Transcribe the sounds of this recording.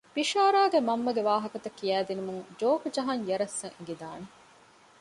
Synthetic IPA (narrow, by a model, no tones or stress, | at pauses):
piʃaːɾaːɡemɐmːɐɡeʋaːɦɐkɐt̪ɐkːijæːd̪inumuŋd͡ʒoːkd͡ʒɐɦɐŋjɐɾɐsːɐŋeŋɡid̪aːne